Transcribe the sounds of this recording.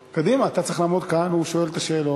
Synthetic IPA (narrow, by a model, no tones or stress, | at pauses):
kad̪imaːt̪att͡sʁeiχlaːmod̪kanhuʃo̞e̞lt̪aʃeːlo